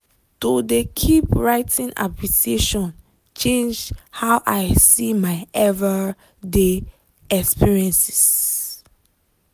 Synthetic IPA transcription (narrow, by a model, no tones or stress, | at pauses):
tudekʰipɹaɪtʰĩnʔa̰pliteʃɔ̃n | t͡ʃẽnd͡ʒhawʔajsimaɪɛvə | de | ɛkspiɹiɛ̃nsi̥s